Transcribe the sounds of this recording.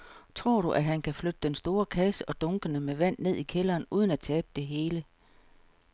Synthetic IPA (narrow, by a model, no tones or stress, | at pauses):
t͡sʰʁo̝ɐ̰ɾ̥uʔæd̥ɦænkʰæflød̥əd̥ensd̥o̝ːɐkʰæsəʔɒ̽d̥ɔ̽ŋɡ̥ənəmeʋæn̰ne̝ð̞̰ˠikʰelɐːnuːð̞ˠn̩æt͡sʰɛːb̥əd̥e̝ɦe̝ːlə